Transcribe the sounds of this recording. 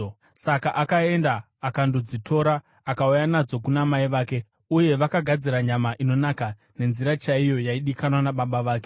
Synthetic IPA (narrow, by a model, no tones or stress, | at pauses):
sakaʔakae̞ndaː | kandod͡zito̞ɾa | akaujanad͡zo̞kunamaiʋaːke̞ | uje̞ʋakaɡʱad͡ziɾaɲamaʔino̞naka | ne̞nziɾat͡ʃaijo̞jaiɗikanwanaɓaɓaʋaːke̞